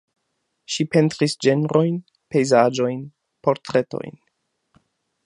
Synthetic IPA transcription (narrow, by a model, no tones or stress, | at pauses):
ʃipe̞ntɾisd͡ʒe̞nɾo̞jn | pe̞jzad͡ʒo̞jn | po̞ɾtɾe̞to̞̰jn